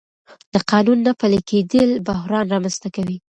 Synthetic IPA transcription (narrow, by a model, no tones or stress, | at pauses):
d̪̥əqɑnunːapəlikʰed̪əlbʊɦɾɑnɾɑmanst̪akawi